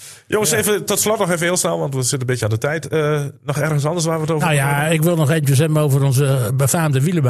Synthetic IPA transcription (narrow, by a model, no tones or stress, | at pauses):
jʔoŋəsevətɔtslɔtnɔxevəɦɪːlˠsnɛlˠʋɑntʋəzɪtəbɪtjəandətɛjtənɔxɛrɣəns̬ɑndəsʋaːʋətovnjaɪkʋɪlˠnɔxeːvəntjəs̬ɛməowvərɔnzəbəfaːmdəʋiləb